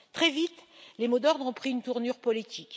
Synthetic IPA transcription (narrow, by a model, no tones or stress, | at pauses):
t̪χɛvit̪ | lemod̪ɔʁd̪ʁɔ̃pχiynt̪uʁnyʁpɔlit̪ik